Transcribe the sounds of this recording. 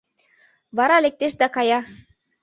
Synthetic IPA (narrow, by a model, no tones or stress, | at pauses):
βɑɾɑlek̚t̪eʃ̬d̪ɑkɑjɑ